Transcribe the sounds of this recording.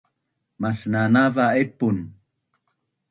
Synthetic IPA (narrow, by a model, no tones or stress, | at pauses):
masnanavaepun